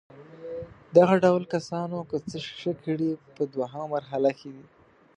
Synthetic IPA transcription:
d̪aɣaɖawlkasɑnokət͡səʂəkʰəɽipəd̪waɦamamaɾɦalakʰed̪i

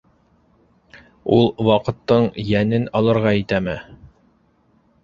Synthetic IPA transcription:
ulˠwɑqɤ̆t̪ːɤɴjænɘnɑlˠɤ̆ɾʁɑit̪æmɘ

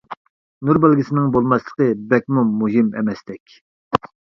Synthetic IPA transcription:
nuɾbælɡʲisɪnɪŋbolˠmɑslˠə̥qəbɛkʲmumuɦimɛ̰mɛst̪ɛkʲ

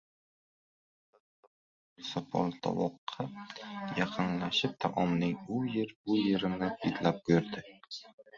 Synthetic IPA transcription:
sɒpʰɒ̰lˠt̪ʰɒ̰wɒqʰːɑjɑqʰɨnlaʃɪp̚t̪ʰaʔɒmnɪŋʊjeɾbʊjeɾɪnɪbʰid̪lap̚kɵɾd̪ɪ

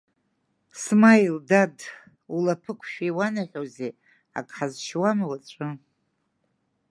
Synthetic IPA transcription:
smajildad | ulapʰɨkʷʰʼʃᶣaiwanaħʲʷᶣoze | a̰kʼħazʃwamawat͡ʃʷʼɨ

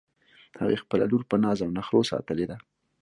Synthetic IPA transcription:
ha̰ɣexpəla̰luɾpənɑzawnaxɾosɑ̰t̪əled̪a

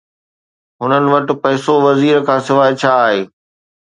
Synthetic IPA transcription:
ɦʊnənɪ̆ʋɐʈɪ̆pɐːsoʋɐziːɾkʰãːsɪʋaːɪt͡ɕʰaːɦeː

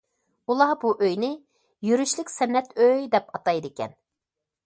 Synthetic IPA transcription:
ulˠɑbuʔøjnɪ | jyɾyʃlɪkʲsɛnːɛt̪ʰøjd̪ɛpɑt̪ɑjd̪ɪkʲɛ̰n

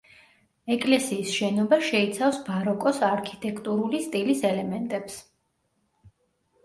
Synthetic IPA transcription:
ɛkʼlɛsiːsʃɛnɔbaʃɛit̪sʰafsbaɾɔkʼɔsaɾkʰi̥t̪ʼɛkʰt̪ʼuɾulist̪ʼilisɛlɛmɛnt̪ʼɛps

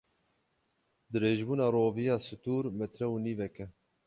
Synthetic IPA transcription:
d̪ɨɾeːʒbuːnɑːɾoːvijɑːsɨt̪uːɾmɛt̪ɾɛwuniːvɛkɛ

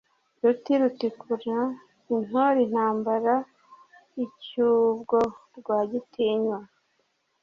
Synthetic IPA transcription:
ɾutiɾutikʰuɾa | in̥hoɾin̥haːmbaɾa | icuːbɡoɾɡwaːɟitʰiɲwa

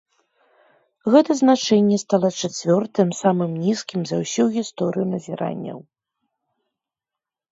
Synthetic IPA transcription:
ɣɛt̪ɐznat͡ʂɛnʲːɛst̪alˠɐt͡ʂat͡sʲvʲɔrt̪ɨmsamɨmnʲiskʲimzɐwsʲuɣʲist̪ɔɾɨjunɐzʲiɾa̰nʲːɐ̰w

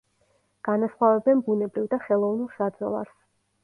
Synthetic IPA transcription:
ɡ̥anasχwavɛbɛnbunɛbɾivd̪aχɛlˠɔvnulˠʃad̪zɔ̰lˠa̰ɾs

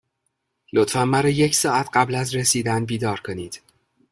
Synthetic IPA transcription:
lot̪fæmːæɾɒːjecʰsɒːæt̪ʰɢæblæzɾesiːd̪ænbiːd̪ɒːɾkʰoniːd̪̥

